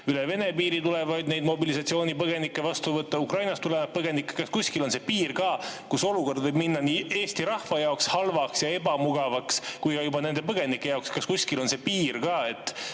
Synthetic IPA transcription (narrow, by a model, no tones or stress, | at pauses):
yleve̞ne̞piːɾit̪ule̞vɑjd̪ne̞jd̪mo̞bilis̬ɑt̪sio̞ːnipɤɡ̥e̞nikːe̞vɑst̪uvɤt̪ːˑɑukrɑjnɑst̪ulevɑt̪̚pɤɡe̞nikːˑe̥kɑskusʲkilo̞nse̞piːrkɑːkuso̞luko̞rd̪vɤjbminːɑniːe̞ːst̪iɾɑhvɑjɑokshɑlvɑksjɑe̞bɑmuɡ̥ɑvɑkskujkɑjubɑne̞nd̪e̞p̬ɤɡ̥e̞nikːˑe̞jɑokskɑskusʲkilo̞nse̞piːrkɑːe̞t̪ːˑ